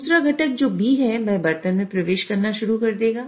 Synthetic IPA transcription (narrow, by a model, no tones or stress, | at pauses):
uːsɾaɡʱɐʈək̚d͡ʒoːbʱiɦɛʋɐɦbɐɾt̪ənmẽpɾɐʋeːʃkɐɾnaʃʊɾukɐɾd̪eːɡaː